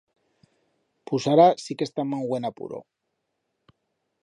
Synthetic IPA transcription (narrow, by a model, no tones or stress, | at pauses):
pusaɾasikest̪amaŋɡwenapṵɾo̰